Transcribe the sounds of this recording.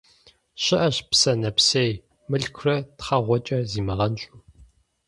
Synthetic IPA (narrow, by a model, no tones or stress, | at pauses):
ɕɪʔɐɕpsɐnɐpseːj | mɨɬkʷʰrɐtχɐʁʷɔt͡ʃʼɐziːmɨʁɐnɕʼu